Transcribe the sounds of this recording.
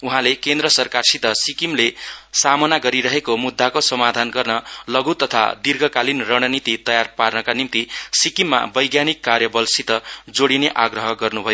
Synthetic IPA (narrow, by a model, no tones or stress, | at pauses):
uɦãlekend̪ɾʌsʌrkarsit̪ʌsikimlesamʌnaɡʌɾiɾʌɦekomud̪ʱːakosʌmad̪ʱanɡʌrnʌlʌɡut̪ʌt̪ʰa̰d̪irɡʱʌkalinrʌɽ̃ʌnit̪it̪ʌjarparnʌkanimt̪isikimːa̰bʌjɡjanikːarjʌbʌlsit̪ʌd͡zoɽineʔaɡrʌɦʌɡʌrnubʱʌjo